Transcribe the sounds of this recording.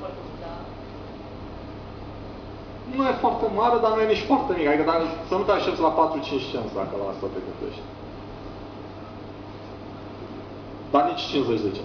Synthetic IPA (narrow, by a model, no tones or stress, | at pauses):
nujefoart̪emaɾed̪anujeniʃt̪ʲfoart̪emikad̪ikəd̪akəsənut̪eaʃep̪sʲlapat̪ɾut͡ʃint͡ʃʲt͡ʃent̪sʲd̪a̰kəlaast̪at̪ekət̪ḛʃt̪ʲ | d̪anit͡ʃt͡ʃinzet͡ʃʲzet͡ʃe